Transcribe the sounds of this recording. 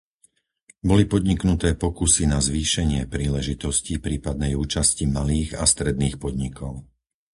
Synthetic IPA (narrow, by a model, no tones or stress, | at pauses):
bɔlipɔd̪ɲiknut̪ɛːpɔkusinazʋiːʃɛɲɪɛpɾiːlɛʒit̪ɔscipɾiːpad̪̚nɛjuːt͡ʃascimaliːɣa̰st̪ɾɛd̪niːxpɔd̪ɲikɔʊ